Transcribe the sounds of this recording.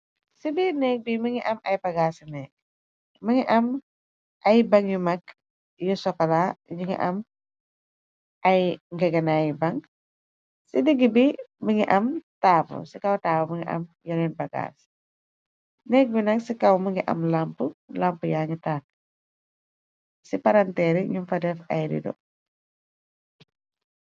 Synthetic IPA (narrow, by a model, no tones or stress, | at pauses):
sibinɛːk̚biməŋiʔɐmɐjpɐɡaːsnɛk̚ | məŋɛʔɐm | ʔɐjbɐŋjumɐk | jusɔkɐlaɲuŋɛ̰ʔɐ̰m | ɐjŋɡɐɡɐnajbɐŋ | sidiɡibiməŋiʔɐmtaːpṵsikɐwtaːfuməŋiʔɐ̰mjɔnɛnbɐɡa̰ːs | nɛk̚bunɐksikɐwməŋɡiʔɐ̰mlampulampujaːŋitak̚ | sipaɾantɛɾiɲumfɐdɛfɐjɾḭdɔ̰